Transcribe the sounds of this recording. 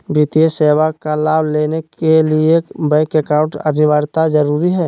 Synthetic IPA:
bit̪ijeseːʋakalaːbleːnekeliebaɪkɛkãːʊ̃ɳʈənɪʋaːɾt̪azəɾuːɾiɦɛː

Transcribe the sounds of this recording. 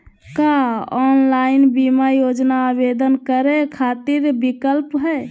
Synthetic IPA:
kaɔnlainbimajod͡ʒnaːbed̪ənkəɾekʰat̪iɾbikəlpɦɛ

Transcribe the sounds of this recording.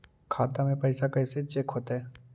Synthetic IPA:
kʰaːt̪amẽpɐɪsakɐɪset͡ʃekʰɦoːt̪aɦɛː

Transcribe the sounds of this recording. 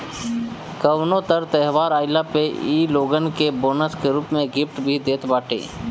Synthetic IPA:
kəwnõt̪əɾt̪ɛɦʋaːɾaːɪlapeiːloːɡənkeboːnəskeɾuːpmẽɡɪfʈbʱid̪eːt̪baːʈʰḛː

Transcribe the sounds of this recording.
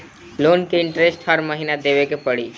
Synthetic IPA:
loːnkeɪɳʈɾesʈhəɾməɦinad̪eʋekepəɽiː

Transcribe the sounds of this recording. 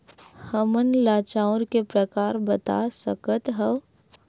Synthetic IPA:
həmənlaːt͡ʃãʊɾkepɾəkaːɾbət̪a̰səkət̪ɦəʋ

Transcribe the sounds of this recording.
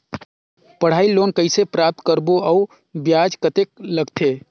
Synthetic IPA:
pəɽ̤aːiloːnkəɪsepɾap̚t̪kəɾboəu | bjaːd͡ʒkət̪ek̚ləɡt̪ʰe

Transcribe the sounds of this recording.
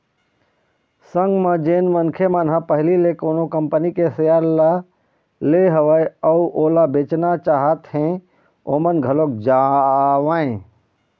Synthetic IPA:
sə̃ŋɡmãd͡ʒeːnmənkʰemənɦãpəɦlilekoːnokəmpənikesəjaːɾla | leɦəʋəjəuʔoːlabeːt͡ʃnat͡ʃaːɦət̪hẽ | oːmənɡʱəloːk̚d͡ʒaʋaːẽ

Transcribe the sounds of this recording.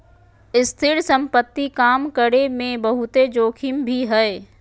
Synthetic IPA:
ɪst̪ʰɪɾsə̃mpət̪ːikaːmkəɾemẽbəɦʊt̪ed͡ʒoːkʰɪmbʱiɦɛː

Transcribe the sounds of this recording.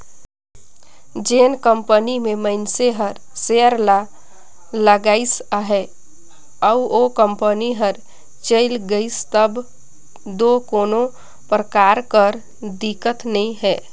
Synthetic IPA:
d͡ʒeːnkəmpənimeməɪnseɦəɾ | seəɾla | ləɡaːɪsəɦɛ | əuokəmpəniɦəɾ | t͡ʃəɪlɡəɪst̪əb | d̪okoːno | pɾəkaɾkəɾ | d̪ikət̪nəĩɦɛː

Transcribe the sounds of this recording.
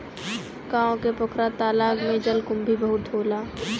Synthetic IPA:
kaːõkepʊkʰɾat̪aːlaːɡmẽd͡ʒəlkʊmbʱibəɦʊt̪ʰoːlaː

